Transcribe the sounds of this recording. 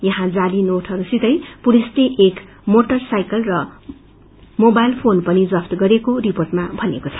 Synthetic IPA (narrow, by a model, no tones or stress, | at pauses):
jʌɦãd͡zalinoʈʰɦʌɾusid̪ʌjpuɾist̪eʔek | moʈʌrsajkʌlrʌ | mobajlpʰonpʌnid͡zʌpʰt̪ɡʌɾekoriporʈmabʱʌnekot͡sʰʌ̥